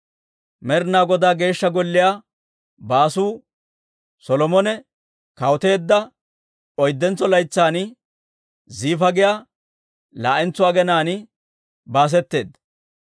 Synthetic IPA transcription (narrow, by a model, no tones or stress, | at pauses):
mɛɾnaːɡɔd̪aːɡe̞ːʃːɐɡɔlːɪjaː | baːsuː | sɔlɔmɔnɛ | kɐwɔt̪e̞ːd̪ːɐ | ɔjd̪ːɛnt͡sːɔlɐjt͡sːaːnɪ | ziːfɐɡɪja | laːʔɛnt͡sʊaːɡɛnaːnɪ | baːs̬ɛt̪ːe̞̰ːd̪ːɐ